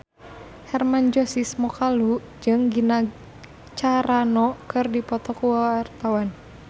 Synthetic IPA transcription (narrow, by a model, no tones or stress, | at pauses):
hɛrmand͡ʒɔsismɔkalu | d͡ʒɨŋɡina | t͡ʃaɾanɔkɨrdipɔt̪ɔkuwaart̪awan